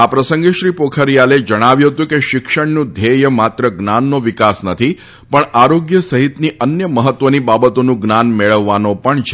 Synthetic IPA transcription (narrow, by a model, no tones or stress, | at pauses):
apɾəsəŋɡeʃɾipokʰəɾjaled͡ʒəɽ̃aʋjũɦət̪ũkeʃɪkʃəɳnũd̪ʱejəmat̪ɾəɡnanːoʋɪkasnət̪ʰi | pəɳaɾoɡjəsəɦit̪niʔənjəməɦət̪ːʋənibabət̪onũɡnanmeɭəʋːanopəɳt͡ʃʰe